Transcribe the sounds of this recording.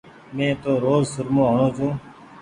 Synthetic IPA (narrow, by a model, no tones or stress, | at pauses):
mẽːt̪oːɾoːzsʊɾmõːɦonõːt͡ʃũː